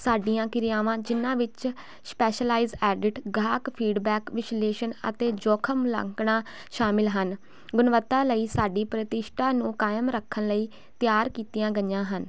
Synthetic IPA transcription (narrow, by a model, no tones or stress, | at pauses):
saːɖiːjãːkɪɾɪjaːʋãːd͡ʒɪnːãːʋɪt͡ʃ | spɛːʃəlaːiːzɛːɖɪʈɡʱaːkpʰiːɖbɛːkʋɪʃleːʃənə̰t̪eːd͡ʒoːkʰəmlə̰ŋkɳãː | ʃaːmɪlɦən | ɡʊnʋət̪ːãːləiːsaːɖiːpɾət̪ɪʃʈʰaːnũːkaːjəmɾəkʰːənləiː | t̪ɪjaːɾkiːt̪iːjãːɡəjãːɦən